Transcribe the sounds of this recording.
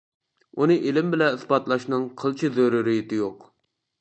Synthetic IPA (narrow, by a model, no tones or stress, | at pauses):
unɨʔelɪmbɪlɛnɨsbɑt̪lˠɑʃnɨŋqʰəlˠt͡ʃʰizøɾuɾijit̪ɪjoq